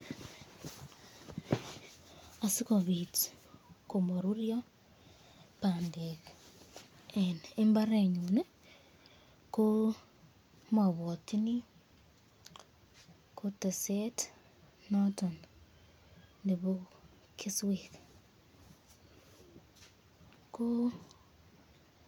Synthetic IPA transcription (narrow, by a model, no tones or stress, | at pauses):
asikoβiti̥komoɾuɾjo | pandek | enembaɾeɲune | ko | maβotini | koteset | noton | ndeβo | kʰiswek | ko